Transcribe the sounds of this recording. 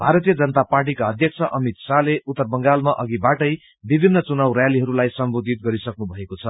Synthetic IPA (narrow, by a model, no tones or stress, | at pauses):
bʱaɾʌt̪ijʌd͡zʌnʌt̪aparʈ̬ikaʌd̪ʱjʌk̚t͡sʰʌʔʌmit̪saleut̪ːʌrbʌŋɡalmaʔʌɡibaʈʌj | bibʱinːʌt͡sunawrjaliɦʌɾulajsʌmbod̪ʱit̪̚ɡʌɾisʌknubʱʌekot͡sʰʌ